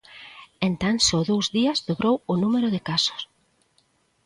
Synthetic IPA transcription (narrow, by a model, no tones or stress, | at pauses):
ent̪aŋsɔðowzðiɐzðoβɾowʊnumeɾʊðɪkasʊ̥s